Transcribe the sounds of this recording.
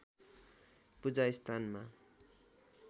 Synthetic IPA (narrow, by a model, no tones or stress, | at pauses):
pud͡zajst̪ʰanma